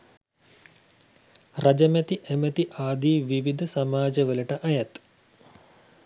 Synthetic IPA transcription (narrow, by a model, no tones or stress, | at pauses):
rɐd͡ʒɐmet̪iʔemɐt̪iʔaːd̪ʱiːʋiʋid̪ʱɐsɐmaːd͡ʒɐʋɐlɐʈɐʔɐjɐt̪